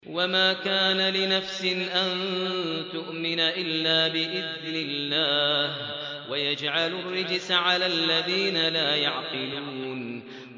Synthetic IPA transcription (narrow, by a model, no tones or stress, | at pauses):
wamaːkaːnalɪnafsɪnʔant̪ʊʔmɪnaʔɪlːaːbɪʔɪðnɪlːaːh | wajad͡ʒʕalʊrːɪd͡ʒsʕalaːlːaðiːnalaːjaʕqɨluːn